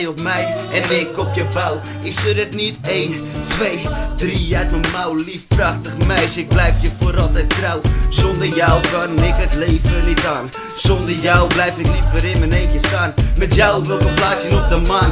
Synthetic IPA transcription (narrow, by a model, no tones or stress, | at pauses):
jɔpmɛjɛnɪkɔpjəbaw | ɪkstødətniteːntʋejdrijɛtməmawlifprɑχtəχmɛjsəɪɡ̚blɛjfjəfoɾɔlˠtɛt̚trawsɔndərjawkannɛkətleːvənənitaːn | sɔndərjawblɛjfɪklifəɾɪmənejnkjəstaːnmɛtjawɔpʋɛlˠkəplaːsjənɔp̚dəman